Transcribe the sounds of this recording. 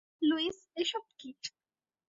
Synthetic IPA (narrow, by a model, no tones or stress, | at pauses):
luis | eʃɔpkiʈ